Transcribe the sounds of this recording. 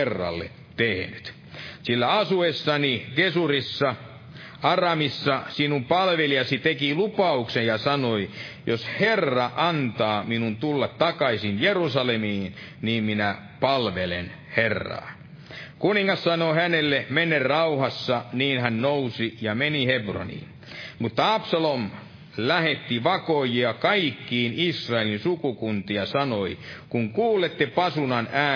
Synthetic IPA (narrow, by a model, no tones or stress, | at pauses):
erːɑ̰lːḛ | t̪ehnyt̪ | silːæɑsuesːɑnikesurisːɑ | ɑrɑmisːɑsinumpɑlʋelijɑsit̪ekilupɑuksejjɑsɑnoijosherːɑʔɑnt̪ɑːminunt̪ulːɑt̪t̪ɑkɑisinjerusɑlemiːn | niːmminæ | pɑlʋelḛn | herːɑ̰ː | kuniŋːɑssɑnohænelːemenerrɑuhɑsːɑniːnhænnousijɑmenihebro̰nḭːn | mut̪ːɑɑpsɑlom | læhet̪ːiʋɑkojiɑkɑikːiːnisrɑelinsukukunt̪iɑsɑnoikuŋkuːlːˑet̪ːepɑsunɑnæː